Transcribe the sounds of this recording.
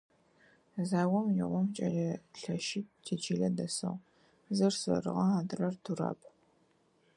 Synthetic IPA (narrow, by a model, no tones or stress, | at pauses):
zaːwɔmjɪʁʷɔmt͡ʃʼɐɮɐɬɐʃɪp̚tʰiːt͡ʃʰiːɮɐdɐsɨ̰ʁ | zɨrsɐ̰rɨ̰ʁɐaːdɨrɐrtʰura̰ːpʰʼ